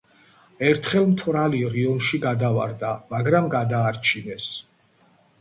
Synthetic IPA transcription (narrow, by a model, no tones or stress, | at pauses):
ɛɾt̪ʰχɛlˠmt̪ʰvɾaliɾiɔnʃiɡad̪ava̰ɾd̪amaɡɾamɡad̪aːɾt͡ʃʰinɛs